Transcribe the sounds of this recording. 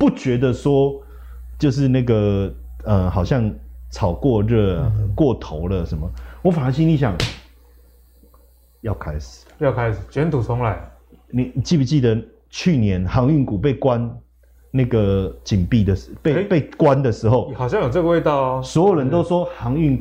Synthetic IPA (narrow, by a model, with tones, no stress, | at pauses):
pu˥˩t͡ɕɥɛ˧˥d̪ə˧swɔ˦ | t͡ɕjo˥˧ʊʂ̬ɻ̩˥˧na˥˩ɡə˩ | ə˨xɑ˨˩ʊɕjɑ˥˧ŋt͡sʰɑ˨˩ʊkwɔ˥˧ɻə˥˧˩kwɔ˥˨t̪ʰo˧˦ʊlə˨ʂə˨˦nmə˨wɔ˨˦fa˨˥ŋɕi˥˧nli˥˩ɕ̬ja˨˩ŋ | jɑ˥˩ʊkʰa˥ɪʂɻ̩˨˩˦jɑ˥˧ʊkʰa˦ɪs̩˨˩t͡ɕɥɛ˧˦nt̪ʰu˨˩t͡sʰʊ˧˦ŋla˧˦ɪ | ni˨˩ni˨˩t͡ɕi˥˩pu˨˩t͡ɕi˥˩d̪ə˩ | t͡ɕʰy˥˨˩njɛ˧˦nxɑ˧˦˥ŋy˥˩ŋku˨˩pe˥˩ɪkwa˦n | na˥˩ɡə˩t͡ɕi˨˩npi˥˩d̪ə˩ʂpe˥˧pe˥˧ɪkwa˦nd̪ə˨ʂɻ̩˧˦xo˥˨ʊ˨hɑ˨˩ʊɕjɑ˥˨ŋjo˨˩t͡sə˥ɡə˧we˥˧ɪt̪ɑ˥˨ʊswɔ˧˦˥jo˨˩ɻə˧˦nt̪o˥ʊʂwɔ˥hɑ˧˥ŋy˥˩ŋ